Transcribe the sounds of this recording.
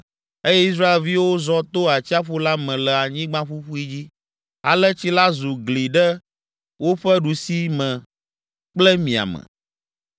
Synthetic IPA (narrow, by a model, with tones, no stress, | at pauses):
e˦jɛ˦i˦s̬ɾa˦e˨lvi˦wo˦zɔ˦t̪o˦a˨t͡ɕi˦a˦ɸu˦la˦mɛ̃˨lɛ˨a˨ɲĩ˦ɡ͡bã˦ɸu˦ɸu˦i˦d͡ʑi˦ | a̰˨lɛ˦t͡ɕi˦la˦zu˨ɡli˨ɖɛ˦ | wo˦ɸɛ˦ɖu˨si˦mɛ̃˨ | k͡plɛ˦mĩ˨a̰˨mɛ̰̃˨